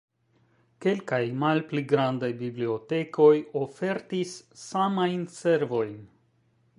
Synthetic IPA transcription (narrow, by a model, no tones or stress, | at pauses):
ke̞lkajmalpliɡɾandajbiblio̞te̞kʰo̞jo̞fe̞ɾtisːamajnse̞ɾvo̞jn